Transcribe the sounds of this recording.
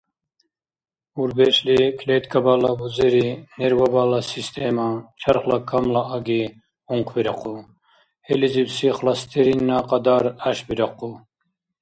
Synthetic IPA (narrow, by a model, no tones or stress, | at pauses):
uɾbeʃlikʰlet̪kʰabaːlabuzeɾineɾwabalasist̪ʰemat͡ʃʰɐɾχlakʰamlaːɡi | uŋqʰbiɾɐqʰu | helizibsiχlɑst̪ʰeɾinːaqɑd̪aːɾaʃbiɾɑqu